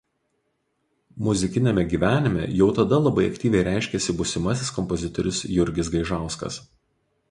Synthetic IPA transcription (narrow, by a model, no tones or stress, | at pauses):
mʊzʲɪkʲɪnʲɛmʲɛɡʲiːʋʲæːnʲɪmʲɛ̰jɛʊt̪ɐd̪ɐlˠɐbɐɪɐkʲt̪ʲiːʋʲɛɪɾʲæˑɪʃʲkʲɛsʲɪbʊsʲɪmɐsʲɪskɔmpɔzʲɪt̪ɔɾʲɪsjʊɾʲɡʲɪsɡɐɪʒɑˑʊskɐ̰s